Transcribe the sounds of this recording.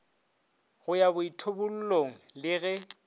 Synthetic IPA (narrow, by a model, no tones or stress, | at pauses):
ɣʊjabʊitʰobʊl̩loŋ̩lɪɣɛ